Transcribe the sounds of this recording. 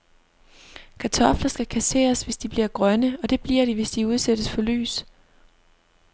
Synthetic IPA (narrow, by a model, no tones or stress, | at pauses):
kʰæt͡sʰɒ̽flɐsɡ̥ækʰæse̝̰ːɐsʋe̝sd̥ib̥liɐɡ̥ʁɶnəɒ̽d̥e̝b̥liɐ̰ɾ̥iʋe̝sd̥iuð̞ˠsed̥əsfɒ̽ly̰ːs